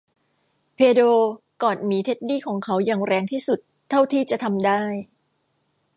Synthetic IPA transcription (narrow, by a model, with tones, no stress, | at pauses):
pʰeː˧doː˧ | kɔː˨˩nmiː˩˦t̪ʰe˦˥t̪̚niː˥˩kʰɔː˩˦ŋkʰa˦˥wjaː˨˩ŋɾɛː˧ŋt̪ʰiː˥˩su˨˩t̪ʰːa˥˩wt̪ʰiː˥˩t͡ɕa˨˩t̪ʰa˧mdaː˥˩j